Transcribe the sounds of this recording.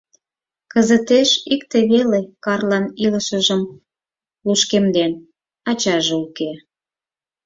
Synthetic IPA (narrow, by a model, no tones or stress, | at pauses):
kəzət̪eʃikt̪eβelekɑrlɑniləʃəʒəm | luʃkemd̪en | ɑt͡ɕɑʒeuke